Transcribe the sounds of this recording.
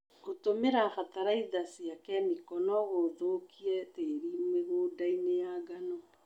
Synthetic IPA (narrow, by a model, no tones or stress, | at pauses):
ɣotomeɾafataɾaiðasjakɛmikɔnɔɣoðokiɛteɾimweɣoːdainejaɡanɔ